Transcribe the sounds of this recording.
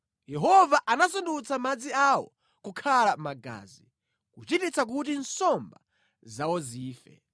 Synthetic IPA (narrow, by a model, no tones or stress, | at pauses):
jɛɦɔvaʔanasundut͡sʰamad͡ziawɔ̰ | kukʰalamaɡa̰ːzi | kut͡ʃitit͡sak̬ut̬insɔmba | zawɔziːfɛ̰